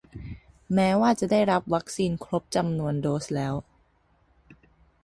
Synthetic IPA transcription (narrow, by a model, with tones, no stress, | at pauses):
mɛː˦˥waː˥˩t͡ɕa˨˩ʔdaː˥˩jɾa˦˥p̚wa˦˥k̚siː˧nkʰɾo˦˥p̚t͡ɕa˧mnu˧əndoː˦˥slɛː˦˥w